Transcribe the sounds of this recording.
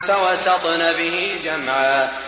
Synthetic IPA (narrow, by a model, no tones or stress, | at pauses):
fawɑsɑt̪ˤnabɪhid͡ʒamʕaː